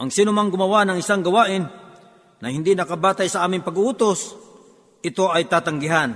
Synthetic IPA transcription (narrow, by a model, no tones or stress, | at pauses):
ʔɐŋsiːnʊmaŋɡʊmɐwanɐŋʔɪsaŋɡɐwaːʔɪnː | ɐhɪnd̪inɐkabaːt̪ajsɐʔaːmɪŋpɐɡʊʔuːt̪os | ʔɪt̪oʔɐjt̪aːt̪aŋɡɪɦan